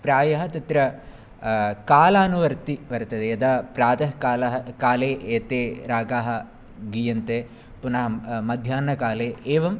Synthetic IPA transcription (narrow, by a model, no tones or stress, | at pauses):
pɾaːjɐɦɐt̪ɐt̪ɾɐ | kaːlaːnuʋɐɾt̪iʋɐɾt̪ɐd̪eɐd̪ɐpɾaːt̪ɐɦɐkaːlɐɦɐkaːleːʔeːt̪eːɾaːɡaːɦɐ̆ | ɡijɐnt̪e | punɐɦɐmɐd̪ʱjaːnɐkaːleːeːʋɐm